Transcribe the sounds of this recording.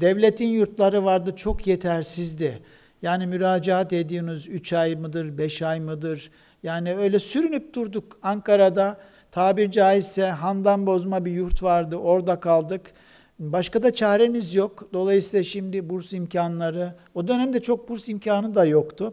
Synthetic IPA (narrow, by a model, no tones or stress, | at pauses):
d̪̥ɛvlʲe̞t̪ʰinjuɾt̪lˠaɾɯvaɾd̪ɯt͡ʃʰo̞kʰjet̪ʰæɾsizd̪ɛ | jaːnimyɾaːd͡ʒaɦat̪e̞d̪iːmyzyt͡ʃʰajmɯd̪ɯɾbɛʃajmɯd̪ɯɾ | jaːniø̞jlʲɛsyɾynyp̚d̪uɾd̪ukaŋkaɾad̪a | t̪ʰaːbiɾd͡ʒaːizsɛɦand̪anbo̞zmabijuɾt̪vaɾd̪ɯʔo̞ɾd̪akʰalˠd̪ɯk | baʃkad̪at͡ʃʰɛhɾe̞mizjo̞kd̪o̞lˠajɯsiːlˠaʃimd̪ibuɾsimcʰanlˠaɾɯ | o̞d̪ønæmd̪ɛt͡ʃʰo̞k̚buɾsimcʰaːnɯd̪ajo̞kt̪ʊ